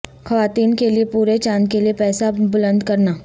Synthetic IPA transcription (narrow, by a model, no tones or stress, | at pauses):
xɐʋaːt̪iːnkeliepuːɾet͡ʃãːnd͡ʒkeliepɛːsabʊlə̃nd̪kɐɾnaː